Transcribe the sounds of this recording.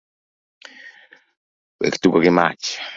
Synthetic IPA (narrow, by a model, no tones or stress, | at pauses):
wḛkt̪ukakima̰t͡ʃ